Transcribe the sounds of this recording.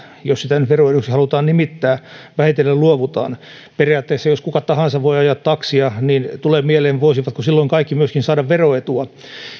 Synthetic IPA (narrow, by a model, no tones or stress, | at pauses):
jossit̪ænyt̪ʋeroenuksihɑlut̪ɑːnnimit̪ːæːʋæhit̪elːælluoʋut̪ɑ̰ːn | perijɑːt̪ːeːsːɑjoskukɑt̪ɑhɑnsɑʋʋoiɑjɑt̪t̪ɑksiɑnint̪uleːmieleːnʋoisiʋɑt̪kusilːoiŋkɑikːimyøskinsɑːdɑʋʋeroet̪uɑ